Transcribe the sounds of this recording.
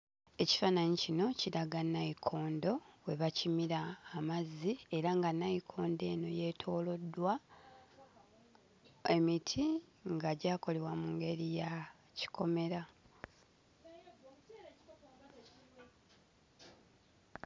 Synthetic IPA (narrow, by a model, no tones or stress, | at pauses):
e̞ci̥fanaɲicino̞ciɾaɡanːaikʰo̞ːndo̞we̞βacimiɾaːmazːie̞ɾaŋɡanːaikʰo̞ːnde̞ːno̞je̞tʰo̞ːlo̞dːwa | e̞mitʰiŋɡaɟaːko̞le̞wamuŋɡe̞ɾija | ci̥kʰo̞me̞ɾa